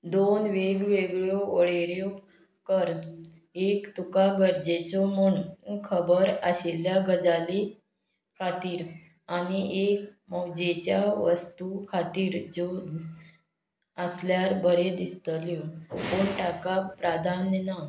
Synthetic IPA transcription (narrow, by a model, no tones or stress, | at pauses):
d̪onʋeɡʋeɡɭjɔoɭeɾjɔ | kəɾ | ekt̪ukaɡəɾd͡ʑet͡sɔmuɳkʰəbəɾəɕeljaɡəd͡zali | kʰat̪iːɾ | aniʔekmɔwd͡ʑet͡ɕjaʋəst̪ukʰat̪iːɾd͡zo | əsljaɾbʱəɾed̪ist̪ljɔpoɳʈakapɾad̪ʱanna